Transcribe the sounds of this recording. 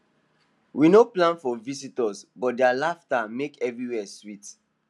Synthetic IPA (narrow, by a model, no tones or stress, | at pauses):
wʔinoplãnfɔvisitɔsbɔt̚dɛalaftamekɛvɹiwɛswit